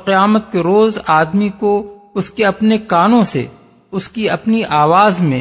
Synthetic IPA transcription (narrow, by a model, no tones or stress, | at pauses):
qɪjaːmət̪̚keɾoːzaːd̪mikoʊskeɐpnekaːnõsḛ | ʊskiɐpniʔaːʋaːzmḛ̃